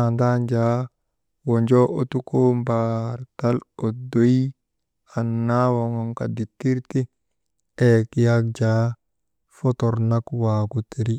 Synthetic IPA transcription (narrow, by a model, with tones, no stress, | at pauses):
andand͡ʒa | wo˨nd͡ʒo˦ʔo˨tu˦ko˦mbaɾta˦lo˨do˦i | a˨nːawo˨ŋɔ˦ŋka˨di˨tːi˦ɾti˦ | eki˦jak̚d͡ʒa | fɔ˦t̪ɔ˨ɾna˦kwaɡuti˨ɾi